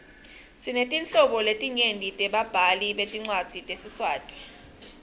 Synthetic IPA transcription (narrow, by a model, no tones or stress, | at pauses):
sinetʼint͡ɬɔɓɔletʼiɲendʱitʼɛɓab̥ʱaliɓetʼiŋ͡ǀwad̥z̥ʱitʼesiswaːtʼi̥